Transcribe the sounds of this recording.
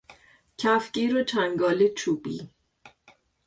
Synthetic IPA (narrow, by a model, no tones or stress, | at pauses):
cʰæfciːɾot͡ʃʰæŋɡɒːlet͡ʃʰubḭː